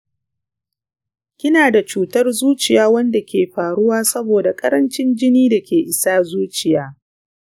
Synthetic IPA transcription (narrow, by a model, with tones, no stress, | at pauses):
kʲɪ˦naː˨da˨t͡ʃuː˦tɐ˦rzuː˦t͡ʃɪ˨jaː˦wɐ˦nda˨kʲeː˨ɸaː˨ɽʊ˦waː˦sɐ˦boː˨da˨kʼɐ˦ɾɐ˦nt͡ʃɪ˦nd͡ʒɪ˦niː˦da˨kʲeː˨ʔɪ˨saː˦zuː˦t͡ʃɪ˨jaː˦